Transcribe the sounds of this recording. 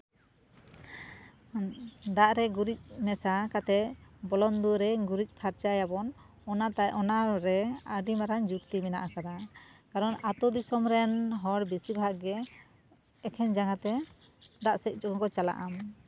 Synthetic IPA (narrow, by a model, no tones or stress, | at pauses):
d̪aʔɾɛɡuɾic̪̚ˀmɛsakat̪ɛbɔlɔnd̪uɾɛɡuɾic̪̚ˀpʰaɾt͡ʃajabɔn | ɔnat̪aʔɔnaɾɛaɖimaɾand͡ʒukt̪imɛna̰ʔakad̪akaɾɔnat̪ɔd̪isɔmɾɛnɦɔɽbisibʱaɡɡɛː | kʰɛɲd͡ʒaŋat̪ɛ | d̪aʔsɛc̚ˀd͡ʒɔŋkɔt͡ʃala̰ʔam